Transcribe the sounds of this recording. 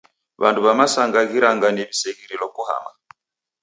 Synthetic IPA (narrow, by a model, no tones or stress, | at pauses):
βa̰nduβamasaŋɡaɣiɾaŋɡanɛβisɛɣiɾilɔkuha̰ma